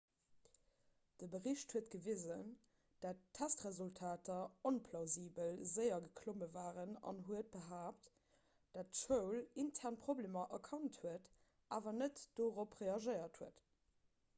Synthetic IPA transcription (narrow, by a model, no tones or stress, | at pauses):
d̥əbəʁiɕthuətɡ̥əvizən | d̥attʰːæstʁezultʰaːtɐonpʰlɑʊziːbəlzəɪɐɡəkʰloməvaːʁənɑ̰nɦuət̚b̥əɦaːpt | d̥atʃəʊlintʰɛʁnpʁobleːmɐʔɐkʰɑnthuət | ʔaːvɐnətd̥oːʁopʁeːɑʒəɪɐthuət